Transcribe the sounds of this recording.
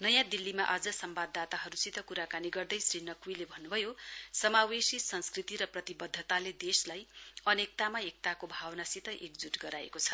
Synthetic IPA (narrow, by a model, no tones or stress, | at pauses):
nʌjãd̪ilːimaʔʌd͡zʌsʌmbad̪at̪aɦʌɾusit̪ʌkuɾakaniɡʌrd̪ʌjsrinʌkwujlebʱʌnːubʱʌjosʌmawesisʌnskrit̪iɾʌprʌt̪ibʌd̪ʱːʌt̪aled̪eslajʌnek̚t̪amaek̚t̪akobʱawʌnasit̪ʌʔek̚d͡zuʈɡʌɾaḛkot͡sʰʌ̥